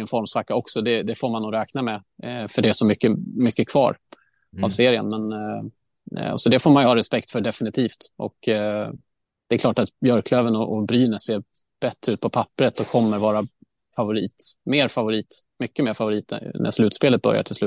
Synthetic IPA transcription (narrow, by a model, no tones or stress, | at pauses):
ənfɔɾmsakːaɔksɔd̪ɛd̪ɛfoːɾmanːuːɡɾɛːknamɛfœɖɛæʂɔmʏkːəmʏkːəkʰvɑ̰ːɾ | avseːɾɪə̰nmɛn | sɔd̪ɛfoːɾmanjɵhɑːɾɛspɛk̚t̪fœɖɛfɪnɪt̪ʰiːft̪ʔɔ̰k | d̪̥ɛɛkʰlɑːʈat̪jœɾkʰløːvənɔʔɔbɾyːnəseː | b̥ɛt̪ɾəʉːt̪̚pʰɔpʰapːəɾət̪ɔkʰːɔmːəɾvɑːɾa | favʊɾiːt̪meːɾfavʊɾiːt̪mʏkːəmeːɾfavʊɾiːt̪nʔæ̰ʂlʉ̟ːt̪speːlət̪̚bœ̰ɾja̰ʈʰɪlsʉ̟ːt̪